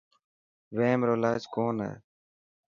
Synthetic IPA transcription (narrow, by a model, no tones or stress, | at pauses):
ʋeːmɾoːlaːd͡ʒkoːnḛː